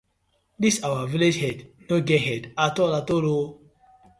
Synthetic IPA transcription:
disawaviled͡ʒhɛdnoɡɛɦɛdatɔlatolo

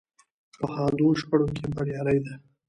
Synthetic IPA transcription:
pəhɑd̪uʃpaɽokʰebaɽjɑɾajd̪a

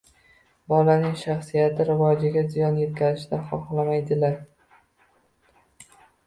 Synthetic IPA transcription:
bɒlanɪŋʃaχsijat̪ʰɪɾɪvɒd͡ʒɪɡʲazɪjɒnje̞t̪̚kʲʰazɪʃd̪aχɒχlamajd̪ɪlaɾ

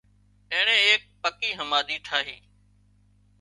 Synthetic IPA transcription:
ẽːɳẽːeːk̚pəkiːɦəmaːd̪iːʈʰaːɦiː

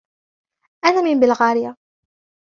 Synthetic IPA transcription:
ʔanaːmɪmbɪlɣaːɾɪja

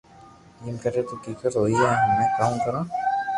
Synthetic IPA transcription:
iːmkɐɾet̪okiːkət̪ɦoːiɛɦɐmːẽkaːmkɐɾãː

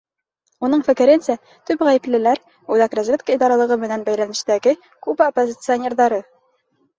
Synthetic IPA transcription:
unɤɴfɘ̆kɘ̆ɾɘnsæ | t̪ʉpʁæjɘ̆plɘ̆læɾ | ʉlækɾæzʲvʲet̪kəid̪ɑɾɑlˠɤ̆ʁɤmɘ̆nænbæjɾænɘ̆ɕt̪æɡɘ | kupopːozʲɪt̪sɨonʲe̞rðɑɾɤ

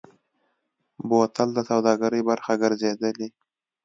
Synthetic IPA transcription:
bot̪ald̪əsawd̪ɑːɡaɾəjbaɾxaɡəɾzed̪əli

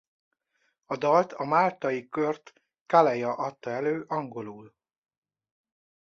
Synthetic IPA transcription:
ɒd̪ɒlt̪ʰɒmaːlt̪ɒjikørt̪ | kalɛjɒʔɒt̪ːɒɛløːʔɒŋɡo̞luːl

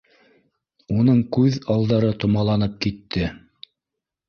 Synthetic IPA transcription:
unɤɴkʉðɑlˠd̪ɑɾɤt̪ŏmɑlˠɑnɤp̚kit̪ːɘ

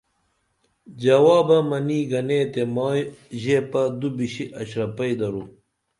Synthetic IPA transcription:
d͡ʑɐwaːbɐmɐniːɡɐneːt̪emojʑeːpɐd̪ubiɕiʔɐɕɾɐpɐid̪ɐɾu

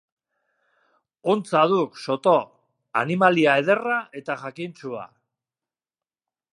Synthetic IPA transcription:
ont͡saðukso̞t̪o̞ | a̰nimaliae̞ðe̞raʔe̞t̪aʝakint͡sua̰

